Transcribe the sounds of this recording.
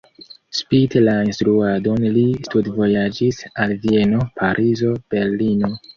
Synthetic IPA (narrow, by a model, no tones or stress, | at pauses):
spitelainstɾuado̞nlistudvo̞jad͡ʒisalvie̞no̞pʰaɾʔizo̞b̥e̞ɾlino̞